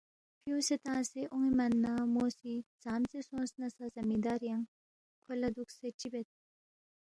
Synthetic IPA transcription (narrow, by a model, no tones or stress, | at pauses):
pjũːset̪ãːseʔuŋimɐnːamoːsit͡saːmt͡sesõːnsnɐsazɐmid̪aːɾjaŋ | kʰolɐd̪ukseʈ͡ʂibet̪̚